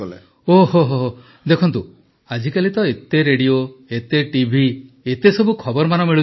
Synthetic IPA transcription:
lḛ | oɦoɦoɦo | d̪ekʰɔnt̪u | ad͡ʒikalit̪ɔet̪eɾeɽioet̪eʈibʱi | et̪esɔbukʰɔbɔɾmanɔmiɭu

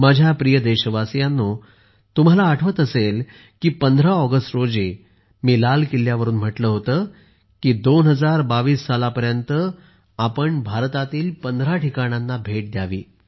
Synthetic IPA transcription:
mad͡ʑʱjapɾijəd̪eɕəʋasjanːoː | t̪um̤alaːʈʰʋət̪əsel | kiːpənd̪ʱɾaɔɡəsʈɾod͡zi | miːlalkiljaʋəɾuːnm̤əʈləːɦot̪əː | kiːd̪onɦəd͡zaɾbaʋiːsːalapəɾjənt̪ə | apəɳbʱaɾt̪at̪iːlpənd̪ʱɾaʈikaɽ̃janːabʱeʈ̚d̪jaʋiː

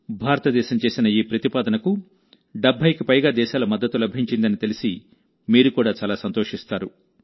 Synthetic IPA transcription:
bʱaːɾɐt̪ɐd̪ɛːʃɐmt͡ʃe̞ːsinɐiːpɾɐt̪ipaːd̪ɐnɐku | ɖɐbʱːɐjkipɐjɡaːd̪ɛːʃaːlɐmɐd̪ːɐt̪ːulɐbʱiɲt͡ʃind̪ɐnit̪e̞lisi | miːɾukuːɽaːt͡ʃaːlaːsɐnt̪oːʂist̪aːɾu

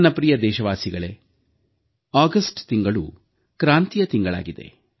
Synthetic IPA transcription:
nːɐpɾijɐd̪ɛːʃɐʋaːsiɡɐɭe | aːɡɐsʈt̪iŋɡɐɭṵ | kɾaːnt̪ijɐt̪iŋɡɐɭa̰ːɡid̪e̞̰

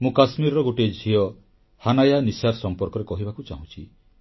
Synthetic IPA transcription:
mũkasmiɾɔɾɔɡoʈed͡ʒʱiɔ | hanajanisaɾsɔmpɔɾkɔɾekɔɦibakut͡ʃaɦũt͡ʃʰi

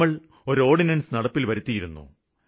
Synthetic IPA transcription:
ɐɭ | o̞ɾo̞ːɖinɐnsɨnɐɽɐpːilʋɐɾut̪ːijiɾunːṵ

